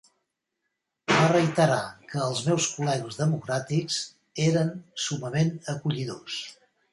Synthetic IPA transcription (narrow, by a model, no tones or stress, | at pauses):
barəjt̪əɾakəːlˠzmɛwskulɛɣəzðəmukɾat̪ikz | eɾənsuməmenəkuʎiðos